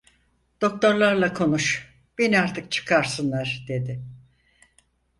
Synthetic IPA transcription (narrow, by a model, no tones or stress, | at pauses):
d̪̥o̞k̚t̪ʰo̞ɾlˠaɾlˠakʰo̞nuʃ | b̥e̞niaɾt̪ʰɯk̚t͡ʃʰɯ̥kʰaɾsɯnlˠaɾ̥d̪e̞d̪ɪ